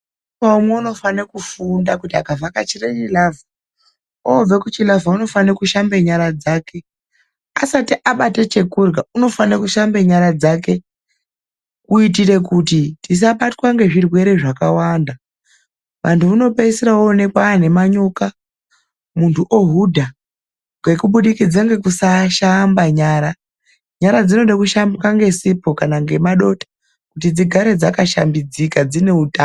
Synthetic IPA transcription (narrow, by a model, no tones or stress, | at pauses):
aumweuno̞fanekufundakutiakavakat͡ʃiret͡ʃilava | ob͡vekut͡ʃilavauno̞fanekuʃambeɲaɾad͡zaːke̞ | asatiʔaɓatet͡ʃe̞kurɡauno̞fanekuʃambeɲaɾad͡zake̞ | kuit̬ire̞kutitis̬aɓatkwaŋɡe̞ʐirwe̞ɾe̞ʐakawaːnda | ʋʔa̰ntʰuuno̞peisiɾaone̞kwaːne̞maɲo̞ka | muntʰuʔoɦudʱa | ŋɡe̞kuɓuɗikid͡zaŋɡe̞kusaʃambaɲaːɾa | ɲaɾad͡zino̞ɗakuʃambikaŋɡe̞sipo̞kanaŋɡe̞maɗo̞tḁ | kutid͡ziɡʱaɾed͡zakaʃa̰mbid͡zikad͡zine̞utaː